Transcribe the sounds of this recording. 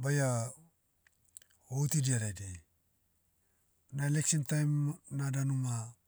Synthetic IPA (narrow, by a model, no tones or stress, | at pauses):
baja | owtidiaɾajde | naeleksintajmnadanuma